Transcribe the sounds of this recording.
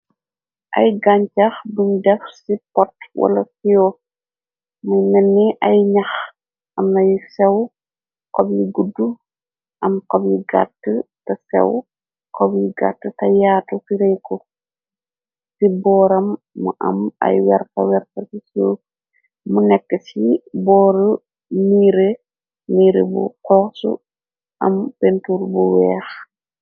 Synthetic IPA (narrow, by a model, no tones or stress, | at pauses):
ʔɐ̰jɡaɲt͡ʃɐxdumdɛfsipɔtwɐ̰lɐsijɔ | mujnɛnːiʔɐjɲɐx | ʔɐmnɐjsɛw | kɔbjiɡudːu | ʔɐmkɔbjiɡa̰tːətɐsɛ̰w | kɔbjiɡa̰tːətɐjaːtufiɾɛjkɔ | sibɔːɾɐmː | ṵʔɐ̰mɐ̰jwɛɾpɐwɛɾpɐsiso | munɛkːəsibɔːɾə | niːɾe | niːɾḛbṵkɔːsṵ | ʔɐmpentuːɾbuwɛːx